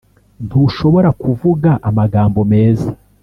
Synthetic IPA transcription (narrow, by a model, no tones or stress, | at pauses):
n̥huʃo̞βo̞ɾakuvuɡaʔamaɡaːmbo̞me̞ːza